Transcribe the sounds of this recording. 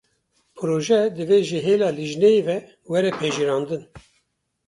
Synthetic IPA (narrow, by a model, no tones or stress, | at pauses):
pʰɨɾoːʒɛd̪ɨveːʒeɦeːlɑːliʒnejevɛ | wɛɾɛpʰɛʒiɾɑːnd̪ɨn